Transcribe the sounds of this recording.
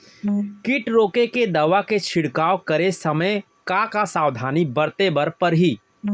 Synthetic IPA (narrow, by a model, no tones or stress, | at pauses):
kɪʈɾoːkeked̪ɐʋaket͡ʃʰɪɽkaːokɐɾesɐməj | kakasaːwd̪ʱaːnibɐɾt̪ebɐɾpɐɾɦiː